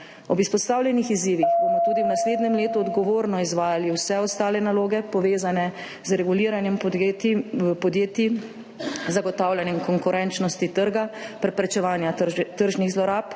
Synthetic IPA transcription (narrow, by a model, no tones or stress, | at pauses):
ɔbispɔst̪aːwlʲjɛnixiziːʋixbomɔt̪uːd̪iwnasleːd̪nɛmleːt̪uɔd̪ɡɔʋoːɾnɔizʋaːjaliwsɛɔst̪aːlɛnaloːɡɛpɔʋeːzanɛ | zɾɛɡuliːɾanjɛm | pɔd̪jeːt̪i | zaɡɔt̪aːwljanjɛmkɔŋkuɾɛnt͡ʃnɔst̪it̪əɾɡapɾɛpɾɛt͡ʃɛʋaːnjat̪əɾʒniɣzlɔɾaːp